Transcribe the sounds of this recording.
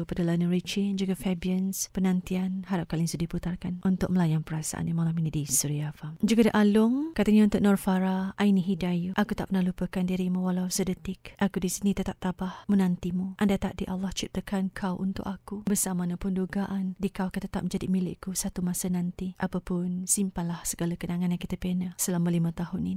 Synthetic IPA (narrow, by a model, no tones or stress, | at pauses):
əpadalanuɾit͡ʃid͡ʒuɡafɛbiənspənant̪ianɦaɾap̚kalinsudiput̪arkanʔunt̪ʊk̚məlajanpəɾasa̰ʔa̰njamalaminidisuɾiafamd͡ʒuɡadiʔalʊŋkat̪əɲaunt̪ʊʔ̚nɔrfaɾaʔainiɦidajuʔakut̪a̰ʔp̚ənahlupəkandiɾimawalawsədət̪ɪkʔakudisinit̪ət̪ap̚t̪abahmənant̪imuʔandat̪aʔdiʔalːaht͡ʃip̚t̪əkankʰawʔṵnt̪ʊ̰kakubərsamanapunduɡaʔandikawakat̪ət̪a̰p̚məɲd͡ʒadimilɪ̰kusat̪umasanant̪iʔapapʊnsimpanlahsəɡalakənaŋanjãŋkit̪əpenahsəlamalimãt̪aɦʊnin